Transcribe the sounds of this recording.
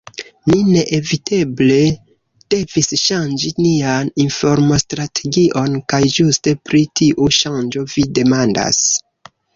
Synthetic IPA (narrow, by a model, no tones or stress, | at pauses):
mine̞ʔevitʰe̞ble̞ | d̥e̞visʃand͡ʒinianinfo̞ɾmo̞stɾatʰe̞ɡiʔo̞nkajd͡ʒuste̞pɾitiʔuʃand͡ʒo̞vide̞manda̰s